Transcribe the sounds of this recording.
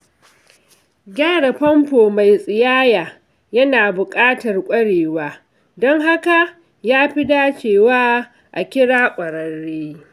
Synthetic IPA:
ɡʲaː˦ɽɐ˨ɸɐ˦mpoː˨ma˨jsʼɪ˨jaː˦jaː˨ | jɐ˦naː˨bʊ˨kʼaː˦tɐ˨rkʷʼɐ˦ɽeː˨waː˦ | dɔ˦ŋɦa˦ka˨ | jaː˦ɸi˦daː˦t͡ʃeː˨waː˦ | ʔa˨kʲɪ˦ɽaː˦kʷʼɐ˨ɽɐ˨ɽːeː˦

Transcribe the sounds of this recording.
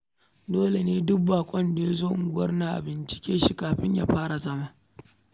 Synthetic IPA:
doː˦le˨neː˦dʊ˦k̚baː˨kʷʼɔ˦nda˨ja˦zoː˦ʔʊ̰˨ŋɡʷʊ˦wɐ˦rna˨ʔa̰˨bɪ˨nt͡ʃɪ̥˨kʲeː˦ʃi˦kaː˨ɸɪ˦ɲja̰ː˦ɸaː˦ɽa˨zɐ˦maː˦

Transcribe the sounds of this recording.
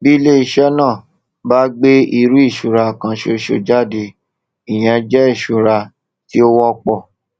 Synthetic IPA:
bi˦le˦i˧ʃɛ˦nãː˦˨ | ba˦ɡ͡be˦i˧ɾu˦i˦˨ʃu˨ɾa˧˨kã˧ʃo˧ʃo̰˧d͡ʒa˦˨de˧ | i˨j̃ɛ̃˨˧d͡ʒɛ˦i˦˨ʃu˨ɾa˧ | ti˦o˦wɔ˦˧k͡pɔ˦˨

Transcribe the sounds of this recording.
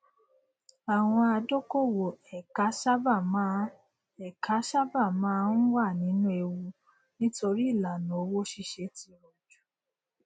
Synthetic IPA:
a˨w̃ɔ̃˧a˧do˦ko˦˨wo˨ɛ˨ka˨˦ʃa˦ba˦˨mãː˨˦ | ɛ˨ka˨˦ʃa˦ba˦˨mãː˨˦n̩˦wa˦˨nĩ˨˦nũ˦e˧wu˧ | nĩ˦to˧ɾi˦i˦˨la˨nũ˨o˧wo˦ʃi˧ʃe˧ti˧ɾɔ˨d͡ʒu˨˦

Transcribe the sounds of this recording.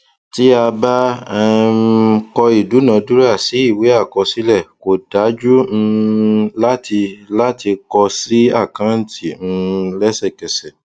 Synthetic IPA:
ti˦a˧ba˦ɛ˧˦˧ | kɔ˧i˨du˨˦nã˨˧du˦ɾa˦˨si˨˦i˦˨we˨˦a˦˨kɔ˧si˦lɛ˦˨ko˨da˨˦d͡ʒu˦ñ̩˧la˦ti˧la˦ti˧kɔ˧si˦a˦˨kã˨˦n̩˦˨tʰi˨ñ̩˧lɛ˦sɛ˦˨kɛ˨sɛ˨

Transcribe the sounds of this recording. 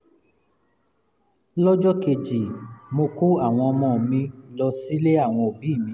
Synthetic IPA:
lɔ˦d͡ʒɔ˦ke˧d͡ʒi˨mo˧ko˦a˦˨w̃ɔ̃˧ɔ˧mɔ̃˦˨mĩ˧lɔ˧si˦le˦a˦˨w̃ɔ̃˧o˨bi˨˦˨mĩ˧˦

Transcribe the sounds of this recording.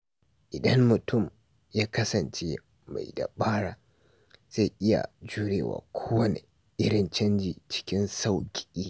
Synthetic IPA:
ʔɪ˨dɐ˦mːʊ˨tʰʊ˦˨m | jaː˦kɐ˦sɐ˨nt͡ʃe˦ | ma̰˨jda̰˨ɓaː˦ɽaː˨ | z̥a˦˨ʔɪ˦ja̰˨d͡ʒuː˦ɽḛː˨wa̰ː˨kʷʰoː˦wɐ˦nḛ˨ | ʔɪ˦ɽɪ˨nt͡ʃɐ˦nd͡ʒiː˨t͡ʃɪ̥˦kʲɪ˦nsa˦˨wkʲʼi̥˨ʔiː˦

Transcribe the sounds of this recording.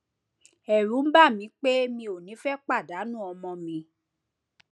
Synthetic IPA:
ɛ˨ɾ̃ũ˨˦m̩˦ba˦˨mĩ˨˧˦k͡pe˦mĩ˧o˨nĩ˨˦fɛ˦k͡pa˦˨da˨˦nũ˦˨ɔ˧mɔ̃˧mĩ˨˧˦

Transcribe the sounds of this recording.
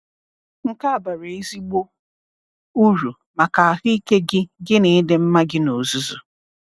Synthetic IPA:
ŋ̩˦ka˦a˨ba˨ɾe˨e˦zi˦ɡ͡bo˦ | u˦ɾu˨ | ma˨ka˨a˨ɦʊ˦i˦ke˦ɡɪ˦ɡɪ˦ne˨˦dɪ˦m̩˦ma˦ɡɪ˦no˨zu˦zu˨

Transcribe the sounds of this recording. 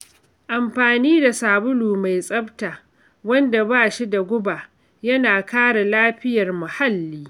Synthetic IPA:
ʔa˨mɸaː˨niː˦da˨saː˨bʊ˦luː˨ma˨jsʼɐ˦btaː˨ | wɐ˦nda˨baː˦˨ʃi˦da˨ɡʷʊ˦ba˨ | jɐ˦naː˨kaː˦ɽa˨laː˦ɸɪ˦jɐ˨rmʊ˨ha˦lːiː˦

